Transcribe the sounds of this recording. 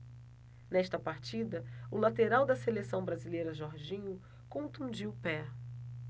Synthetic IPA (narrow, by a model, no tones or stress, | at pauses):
nɛʃt̪ɐpaɾt͡ʃid̪ɐʊlat̪eɾawd̪ɐselesɐ̃w̃bɾazilejɾɐʒɔɾʒĩɲʊ | kõʊt̪ũd͡ʒiʊpɛ